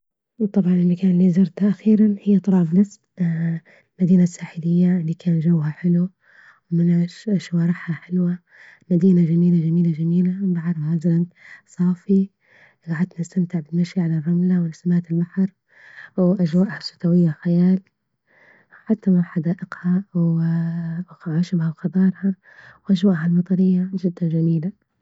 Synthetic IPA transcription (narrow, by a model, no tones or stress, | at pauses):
wt̪ˤːɑbʕɑnɪlːikaːnɪlːizɑɾˤt̪ʔaxiːɾanhɪjːat̪ˤɑlɑːbnɪsb | lmad̪iːnasːaːħɪlɪjːalːikʰaːnʒawːhaħɪlu | wmɪnaʃʃwɑːɾˤɪħhaħɪlwa | mad̪iːnaʒamiːlad͡ʒamiːlad͡ʒamiːlabaʕɑɾˤhazalansˤɑːfi | ɡaʕad̪nɪst̪amt̪ɪʕbɪnːaʃjʕalarˤːɑmlawɪnɪsamaːt̪ɪlbaħɑɾˤ | wʔaʒwaːʔhasʊ̥t̪awɪjːaxajaːl | ħat̪ːamaħad̪aːʔɪqhaw | ʕaːʃɪbhalxɑd̪ˤɑːɾˤha | wʔaʒwaːʔɦalmɑt̪ˤɑɾɪjːaʒɪd̪ːand͡ʒamiːla